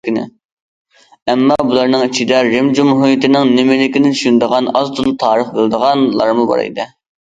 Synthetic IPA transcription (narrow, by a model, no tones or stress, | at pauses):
inɪ̰ | ɛmːɑbulˠɑɾnɨŋit͡ʃʰid̪ɛɾɪmd͡ʒumɦujɪt̪ɪnɪŋnɪmɪlɪkʲinɪnʃund̪əʁɑnɑzt̪ʰulˠt̪ʰɑːɾəχbɪlˠd̪əʁɑnlˠɑ̰ɾmubɑ̰ɾḛjd̪ɨ